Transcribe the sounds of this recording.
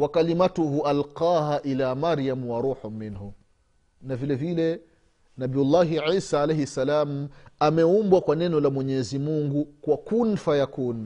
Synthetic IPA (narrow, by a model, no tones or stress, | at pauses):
wakalimatuɦuʔalqaːɦaʔilaːmaɾijamwaɾuːħumːinhu | navilɛvilɛ | nabijulːaːɦiʕiːsaːlɛjhisalaːmamɛumbwakwanɛnɔlamwɛɲɛzimuŋɡukwakun̩fajakun